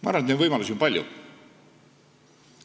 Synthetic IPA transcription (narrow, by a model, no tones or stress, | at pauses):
mɑɑ̰ɾrvɑnet̪ned̪vɤjmɑlusimpɑlʲjṵ